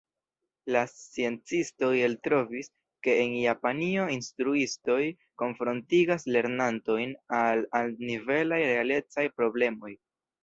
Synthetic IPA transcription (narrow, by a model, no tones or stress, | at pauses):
lasie̞nt͡sisto̞je̞ltɾo̞vis | ke̞ːnjapanio̞instɾuisto̞j | ko̞nfɾo̞ntiɡasle̞ɾnanto̞jnalalnive̞lajɾe̞ale̞t͡sajpɾo̞ble̞mo̞j